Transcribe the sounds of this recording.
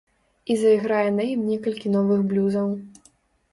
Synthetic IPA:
izɐiɣɾajɛnɐjimnʲɛkɐlʲkʲin̪ɔvɨxblʲuzɐw

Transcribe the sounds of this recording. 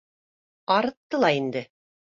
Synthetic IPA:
ɑɾɤ̆t̪ːɤlˠɑind̪ɘ

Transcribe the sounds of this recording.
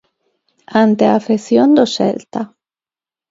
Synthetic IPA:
ant̪eafesjond̪oʃɛ̰lt̪a

